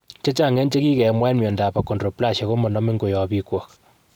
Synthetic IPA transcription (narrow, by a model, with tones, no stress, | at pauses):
t͡ʃe˦t͡ʃa˦ŋɛ˦nt͡ʃe˦ki˦kɛ˨mwa˦nmjɔ˨nda˨pa˨kːo˨ndro˨pla˦ʃe˨ko˦mɔ˨nɔ˦mi˦ŋɡo˨jɔ˨pi˦kwɔ˨k